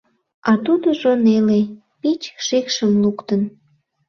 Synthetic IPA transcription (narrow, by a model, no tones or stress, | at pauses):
ɑt̪ud̪oʒonele | pit͡ɕʃekʃəmlukt̪ən